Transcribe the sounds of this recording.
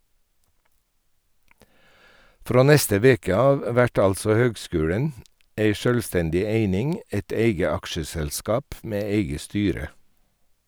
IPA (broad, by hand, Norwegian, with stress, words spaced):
ˈfɾoː ˈnɛstə ˈʋeːkə ˈɑːʋ ˈʋæʈ ˈɑlsɔ ˈhøːɡˌskʉːɽən ˈeɪ ˈʃœlʋˌstɛndɪ ˈeɪnɪŋ ə ˈeɪt ˈeɪɡə ˈɑkʃəsɛlˌskɑːp ˈmeː ˈeɪɡə ˈstyːɾə